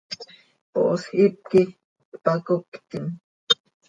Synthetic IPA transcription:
po̰ʔosxip̚ki | pakokt̪in

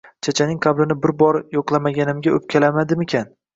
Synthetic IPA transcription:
t͡ʃʰat͡ʃʰanɪŋqʰablɪnɪbɪɾbɒɾjoqlˠamaɡʲanɪmɡʲaɵp̚kʲʰalamad̪ɪmekʲʰan

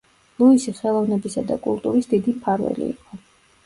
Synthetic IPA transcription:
lˠuisiχɛlˠɔvnɛbisad̪a̰kʼulˠt̪ʼuɾisd̪id̪ipʰaɾvɛ̰lḭḭqʼɔ

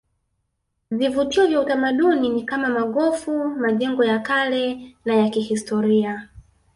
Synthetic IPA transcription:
vivutiɔvjautamaɗuninikamamaɠɔfumaʄɛŋɡɔjakalɛnajakihistɔɾia

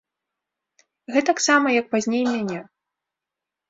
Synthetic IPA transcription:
ɣɛt̪ɐksamɐjɐk̚pazʲnʲejmʲanʲɛ

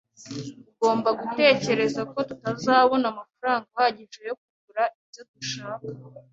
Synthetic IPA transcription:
uɡo̞ːmbaɡute̞ːce̞ɾe̞zako̞tutazaːβo̞namafaɾaːŋɡahaɟiʒe̞jo̞k̚uɡuɾaibɟo̞duʃaːkḁ

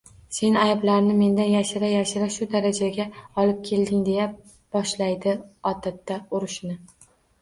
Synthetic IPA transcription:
se̞najblaɾnɪme̞nd̪anjaʃɪɾajaʃɪɾaʃʊd̪aɾad͡ʒaɡʲaɒlɪp̚kʲʰe̞ld̪ɪŋd̪e̞ja | b̥ɒʃlajd̪ɪɒt̪ʰat̪ːaʊɾɪʃnɪ

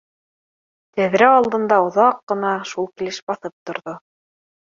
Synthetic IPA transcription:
t̪æðɾæɑlˠd̪ɤ̆nd̪ɑŏðɑqːɤ̆nɑʃulˠkilɘʃbɑθɤp̚t̪ŏɾðo

